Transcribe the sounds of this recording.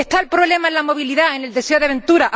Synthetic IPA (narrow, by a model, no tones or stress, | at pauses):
est̪aelpɾoβle̞maelamo̞β̞iliðaene̞ld̪e̞seoðeaβe̞nt̪uɾaʔ